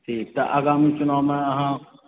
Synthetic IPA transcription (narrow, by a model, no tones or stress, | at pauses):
ʈʰiːk̚t̪ɐʔa̰ːɡaːmit͡ʃʊnaːwmẽɐɦã